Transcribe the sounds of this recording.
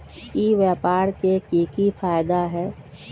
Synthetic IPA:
iːʋjaːpaːɾkekiːkifaːjd̪aɦɛː

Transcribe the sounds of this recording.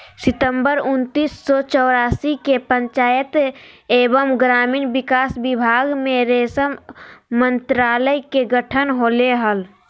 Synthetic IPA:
sɪt̪əmbəɾʊnt̪iːsːɔt͡ʃɔːɾaːsikepə̃ɲt͡ʃaːjət̪eːbəmɡɾaːmiːnbɪkaːsbɪbʱaːɡmẽɾeːsəmːənt̪ɾaːləjkeɡəʈʰənɦoːleɦəl

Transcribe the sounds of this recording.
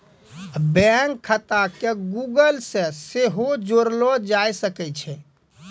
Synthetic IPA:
bɛŋkʰːət̪akeɡuɡəlsẽseɦod͡ʒoɾlɔd͡ʒajsəkɛt͡ʃʰɛ

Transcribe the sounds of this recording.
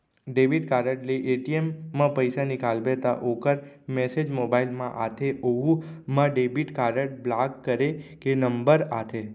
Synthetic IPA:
ɖebiʈkaɾəʈleʔeʈiemːãpəjsanikalbet̪a̰ʔokəɾ | mɛsed͡ʒmobailmãʔat̪ʰeʔoɦumãɖebiʈkaɾəʈ̚blakkːəɾekenəmbəɾat̪ʰe

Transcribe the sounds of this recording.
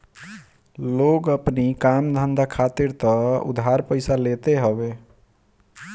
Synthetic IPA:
loɡəpnikamd̪ʱənd̪ʱakʰat̪iɾt̪ɔṵd̪ʱɦaɾpəɪsalet̪eɦəbe

